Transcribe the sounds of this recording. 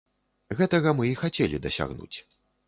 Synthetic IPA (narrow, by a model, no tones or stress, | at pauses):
ɣɛt̪ɐɣɐmɨixat͡sʲelʲḭd̪ɐsʲa̰ɣnṵt͡sʲ